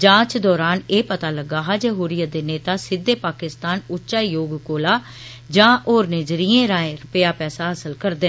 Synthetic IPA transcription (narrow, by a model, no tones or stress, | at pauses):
d͡ʒãːt͡ʃd̪ɔːɾaːneːpət̪aːləɡaːɦaːd͡ʒeːɦoːɾijaːd̪eːneːt̪aːsɪd̪eːpaːkɪst̪aːnʊtːʃaːijoːɡkoːlaː | d͡ʒãːʔoːɾneːd͡ʒɾiːẽːɾãːẽːɾʊpjaːpɛːsaːɦəsəlkəɾd̪eː